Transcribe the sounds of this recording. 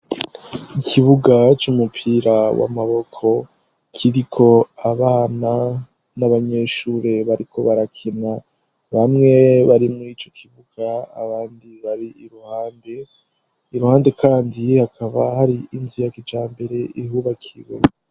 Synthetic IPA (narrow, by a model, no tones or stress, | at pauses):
ikʰiβuɡat͡ʃumupʰiɾawa̰maβo̞kʰo̞ | kʰiɾikʰo̞aβana | naβaɲe̞ːʃuːɾe̞βaɾikʰo̞βaɾakʰena | βamŋe̞βaɾimuɾiːt͡ʃo̞kʰiβuɡ̥aa̰βaːndiβaɾiiɾuhaːnde̞ | iɾuhaːnde̞kʰaːndihakʰaβahaɾiːnzujakid͡ʒaːmbe̞ɾe̞ʔiɦuβakʰiβo